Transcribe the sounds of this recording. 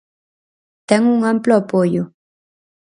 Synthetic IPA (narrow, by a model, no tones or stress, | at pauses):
t̪eŋʊŋamploapojo